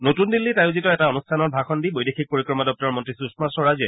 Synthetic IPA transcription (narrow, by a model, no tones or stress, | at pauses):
notundilːitajʊzitɔɛtaɔnustʰanɔɹbʱaxɔndibojdexʰik̚poɹikɹɔmadɔk̚tɔɹɔmɔntɹisusmasɔɹazɛ